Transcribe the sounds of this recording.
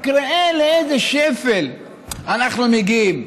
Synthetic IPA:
kɾeeleejzeʃefel | anaχnumiɡim

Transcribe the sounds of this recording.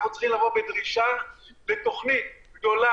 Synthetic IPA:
χnut͡se̥χimlavobed̪ʁiʃabet̪o̞χnit̪̚ɡd̪o̞la

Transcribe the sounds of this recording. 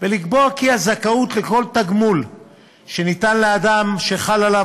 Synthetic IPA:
velikboakiazakaut̪leko̞lt̪aɡmul | ʃe̞nit̪anlead̪amʃe̞χalala

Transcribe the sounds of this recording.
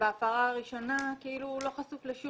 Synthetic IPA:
aːfaʁaːʁiʃo̞nakiilulo̞χasufleʃu

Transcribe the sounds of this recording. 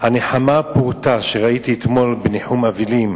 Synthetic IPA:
haneħamapuʁt̪aʃeʁait̪iet̪mo̞lbeneħumavilim

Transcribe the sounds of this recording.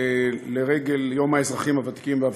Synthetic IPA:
leʁeɡe̞ljomaezʁaχimavat̪i̥kimveav

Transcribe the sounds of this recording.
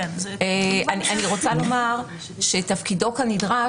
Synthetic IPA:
eʔaniʔaniʁo̞t͡salo̞maʁ | ʃetɐfkido̞khanidʁa

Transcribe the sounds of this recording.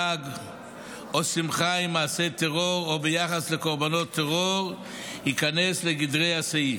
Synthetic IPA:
aɡ | osimχaimaːset̪eʁoʁobejaχaslekoʁbanot̪ʰːeʁoʁ | ikanɛsleɡidʁejasei

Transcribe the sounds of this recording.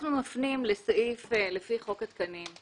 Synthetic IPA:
χnumafnimlesaʔiflefiχo̞kat̪̚kanim

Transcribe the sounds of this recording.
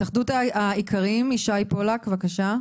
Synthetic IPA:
t̪aχdutaaikʰaʁimiʃajpolakvakaʃa

